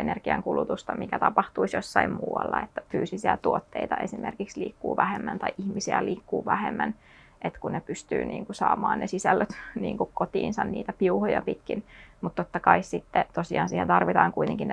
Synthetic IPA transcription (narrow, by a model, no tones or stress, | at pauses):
enerɡ̥iɑŋkulut̪ust̪ɑmikæt̪ɑpɑht̪uisjosːɑimmuːwɑ̰lːɑ̰et̪ːæ̥fyːsisiæt̪uot̪ːeit̪ɑʔesimʔerkiksliːkːṵːʋæhemːænt̪ɑiʔihmisiæliːkːuːʋæhemːæn | ʔet̪kunnepyst̪yːnʔḭːŋkusɑːmɑːnnesisælːøt̪niːŋkukkot̪iːnsɑnniːt̪æpiuhojɑpit̪kinmut̪t̪ot̪ːɑkɑissit̪ːet̪osiɑːnsiːhent̪ɑrʋit̪ɑːŋkuit̪eŋkin